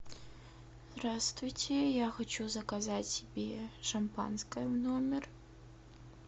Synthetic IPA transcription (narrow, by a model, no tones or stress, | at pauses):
zd̪ɾast̪vujt͡sʲɛjaxat͡ʃuzɐkazat͡sʲsʲɛbʲɛʂɐmpa̰nskɐjɐwnɔmʲɛr